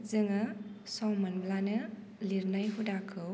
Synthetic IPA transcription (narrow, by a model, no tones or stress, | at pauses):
zɯŋɐsɔŋmanblanɯ | liɾnajɦudakʰɯw